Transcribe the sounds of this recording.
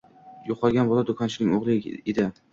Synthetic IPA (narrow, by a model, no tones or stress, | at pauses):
joqʰɒɡʲanbɒlˠad̪ʊkʰɒnt͡ʃʰɪnɪŋʲoʁlˠɪed̪ɪ